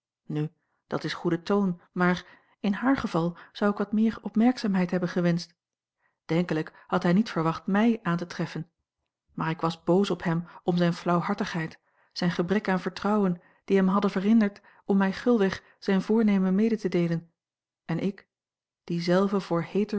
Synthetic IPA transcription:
ny | d̥ɑtɪsχudətownmaːɹ | ɪnɦaːɹχəv̥ɑlˠz̥ɑwɪkʋɑt̚mɪːɹɔpmɛɹksaːmɦɛjtɦɛbənχəʋɛnst | d̥ɛŋkələkhɑtɦɛjnitfəɹʋɑχtmɛjʔaːntətʁɛfən | maːɹɪkʋɑzbowsɔpɦɛmɔmzɛjnflɑwɦɑɹtəχɦɛjt | sɛjnχəbʁɛkaːnvəɹtʁɑwən | d̥iɦɛmɦɑdəvəʁɪndəɹt | ɔmːɛjχʏlˠʋɪχ | z̥ɛjnvʊːɹnejmənmejdətədejlən | ɛnʔɪk | d̥izɛlˠvəvʊːɹhejtə

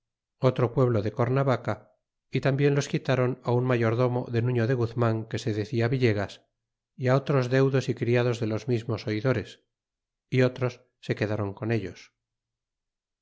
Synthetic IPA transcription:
o̞t̪ɾo̞pwe̞β̞lo̞ðe̞koɾnaβaka | it̪ambje̞nlo̞skit̪aɾo̞naunmaʝo̞ɾðo̞mo̞̰ðe̞nũɲo̞ðe̞ɣuθmaŋke̞se̞ðe̞θiaβiʎe̞ɣ̞as | iao̞t̪ɾo̞zðe̞wðo̞sikɾiað̞o̞zðe̞lo̞zmizmo̞so̞iðo̞ɾe̞s | io̞t̪ɾo̞sːe̞ke̞ðaɾo̞ŋko̞ne̞ʎo̞s

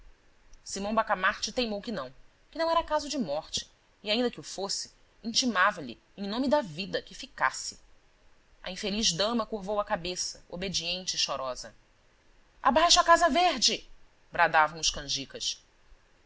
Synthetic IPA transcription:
simɐ̃w̃bakamaɾt͡ʃɪt̪ẽjmowkɪnɐ̃w̃ | kɪnɐ̃w̃ɛɾɐkazʊd͡ʒɪmɔχt͡ʃɪ̥ː | aĩnd̪ɐkɪʊfosɪ̥ | ĩnt͡ʃimavɐʎɪ̰ | ẽj̃nõmɪd̪ɐvid̪ɐkɪfikasɪ̥ | ɐ̰ĩfeliʒd̪ɐ̃mɐkuɾvowɐkabesɐobed͡ʒiẽnt͡ʃɪʃɔɾɔzɐ | a̰bajʃʊakazɐveɾd͡ʒɪ | bɾad̪avɐ̃w̃ʊʃkɐ̃ʒikɐʃ

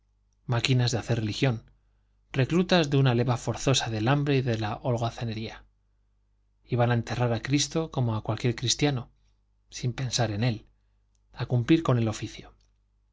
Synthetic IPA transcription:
makinazðeaθe̞relixjo̞n | re̞klut̪azðeunale̞βafo̞ɾθo̞saðe̞lambɾe̞iðe̞laʔolɣaθene̞ɾia | iβanae̞nt̪e̞raɾakɾist̪o̞ko̞mo̞akwalkje̞ɾkɾist̪jano̞ | simpe̞nsaɾe̞ne̞l | akumpliɾko̞ne̞lo̞fiθjo̞

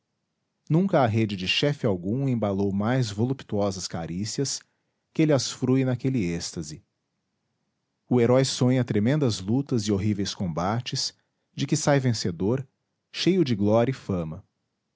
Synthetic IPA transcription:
nũkɐːɦed͡ʒɪd͡ʒɪʃɛfɪawɡũẽbalowmajzvolupt̪uɔzɐskaɾisiɐs | kɪelɪasfɾuinakɛlɪest̪ɐzɪ | ʊeɾɔjsõɲɐt̪ɾemẽnd̪ɐzlut̪ɐzɪoɦivejskõbat͡ʃɪs | d͡ʒɪkɪsajvẽsed̪oɾ | ʃejʊd͡ʒɪɡlɔɾʲjɐifɐ̃mɐ

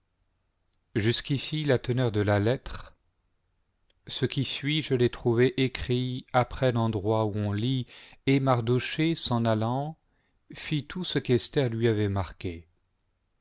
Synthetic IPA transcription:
ʒyskʲisilat̪ənœʁd̪əlalɛt̪χ | səkʲisɥiʒəlɛt̪χuvɛʔekχiapχɛlɑ̃d̪ʁwauɔ̃liemaʁd̪oʃesɑ̃nalɑ̃ | fit̪usəkɛst̪ɛʁlɥiavɛmaʁkʲe

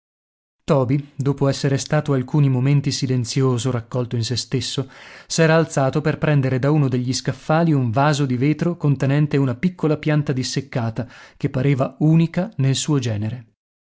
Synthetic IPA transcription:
t̪ɔːbid̪oːpoɛsːeɾest̪aːt̪oalkuːnimoment̪isilent̪sjoːzoɾakːɔlt̪oinsest̪esːosɛːɾaːlt̪saːt̪operpɾɛnd̪eɾed̪aunod̪eʎːiskafːaːliuɱvaːzod̪iveːt̪ɾokont̪enɛnt̪eunapikːolapjant̪ad̪isːekːaːt̪ak̟epːaɾeːvauːnikanelsuːod͡ʒɛːneɾe

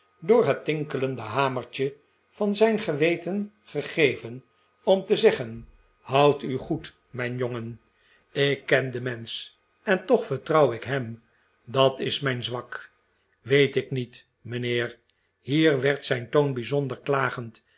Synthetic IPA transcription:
dʊːɹɦətːɪŋkələndəɦaːməɹt͡ʃə | vɑnzɛjnχəʋejtən | χəχejvən | ɔmtəzɛχən | hʌwtyχut | mɛjnjoŋən | ɪkːɛndəmɛns | ɛntɔχfəɹtrɑwɪkɦɛm | dɑtɪsmɛjnzʋɑk | ʋejtɪknit | məneːɹ | hiːɹʋɛɹtsɛjntonbizɔndəɹklaːχənt

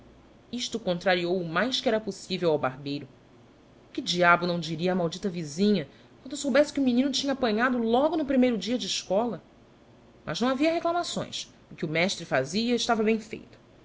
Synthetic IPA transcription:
iʃt̪ʊkõnt̪ɾaɾiowʊmajskɪɛɾɐposivewawbaɦbejɾʊ | kɪd͡ʒiabʊnɐ̃w̃d͡ʒiɾiɐaːmawd͡ʒit̪ɐvizĩɲɐ | kwɐ̃nd̪ʊsowbɛsɪ̥kɪʊminĩnʊt͡ʃĩɲɐaːpɐ̃ɲad̪ʊlɔɡʊnʊpɾimejɾʊd͡ʒiɐd͡ʒɪːʃkɔlɐ | mʔɐ̰ʒnɐ̃aviɐɦeklˠamasõ̰j̃s | ɪkɪʊmɛʃt̪ɾɪfaziɐɪʃt̪avɐbẽj̃fḛjt̪ʊ̥

